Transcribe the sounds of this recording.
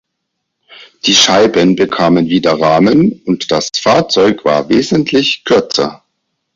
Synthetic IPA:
d̥iːʃaɪbənbəkʰaːmənviːdɐʁaːmənʊntd̥asfaːɐt͡sɔʏkv̥a̰ːɐveːzəntʰlɪçkʰʏɐt͡sɐ̰

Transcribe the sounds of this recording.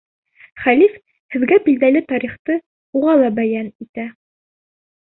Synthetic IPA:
χælif | hɘ̆ðɡæbild̪ælɘt̪ɑɾiχt̪ɤ | uʁɑlˠɑbæjænit̪æ

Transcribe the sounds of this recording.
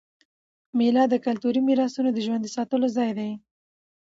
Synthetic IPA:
melɑd̪əkalt̪uɾimiɾɑsunod̪əʒwand̪əsɑt̪əlozɑjd̪aj

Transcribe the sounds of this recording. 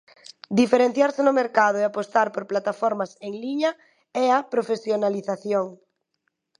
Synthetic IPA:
d̪ifeɾen̟θjaɾsenomeɾkað̞oeapost̪aɾpoɾplat̪afoɾmaseŋliɲa | ɛapɾofesjonaliθaθjoŋ

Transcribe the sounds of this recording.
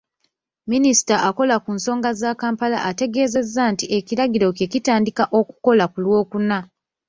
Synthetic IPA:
minisi̥taʔako̞lakunso̞ːŋɡazakaːmpala̰ʔate̞ɡe̞ːze̞zːantie̞ciɾaɡiɾo̞ke̞citaːndikaʔo̞ku̥ko̞lakulwo̞ːkuna

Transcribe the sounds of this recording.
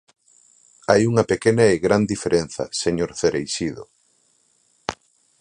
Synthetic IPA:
ajuŋɐpekenɐeɣɾand̪ifeɾʔen̟θɐ̰seɲoɾθeɾejsiðo̰

